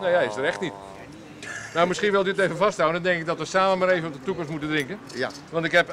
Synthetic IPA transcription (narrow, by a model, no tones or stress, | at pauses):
nejɛjɪsdəɾɛxtnit | nowmɪsχiənʋɛlˠdyəteːvəvɑstɦawəndɔndɛŋkɪkɡ̚dɔtʋəsaːməmaːɾeːvənɔp̚dətukɔmstmutəndrɪŋkən | ʋɑntɪkɦɛp